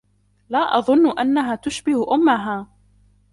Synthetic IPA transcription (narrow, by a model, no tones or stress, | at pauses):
laːʔɑðˤʊnːʊʔanːaɦaːt̪ʊʃbɪhʔʊmːaɦaː